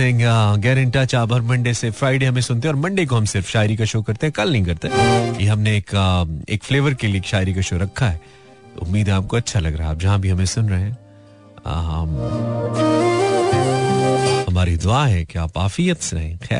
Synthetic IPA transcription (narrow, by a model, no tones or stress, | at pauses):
ẽŋaɡɛːɾɪ̃ɳʈat͡ʃaːbɐɾmɐ̃ɳɖesefɾaːɪɖeɦɐmẽsʊnt̪eɦɛɔːɾmɐ̃ɳɖek̬oɦɐ̃msɪɾfʃaːɪɾikaʃoːkɐɾt̪eɦɛ̃kɐlnɐ̃ɦĩkɐɾt̪eɦɛjeɦɐmneːkḛːkfleːʋəɾkelieːkʃaːɪɾikaʃoːɾɐkʰːaɦɛ | ʊ̰mːiːd̪ɦɛaːp̚koɐtːʃʰalɐɡɾaɦɛaːp̚d͡ʒɐɦãbʱiɦɐmẽsʊnɾɐɦeɦɛ̰̃ː | ɦm | ɦɐmaːɾid̪ʊaːɦɛ̃kjaːpaːfijət̪seɦɛ̃xɛ̰ː